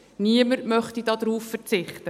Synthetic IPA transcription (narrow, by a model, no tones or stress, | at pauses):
niəməɾmœχtidɑdɾuːffəɾt͡sɪχtə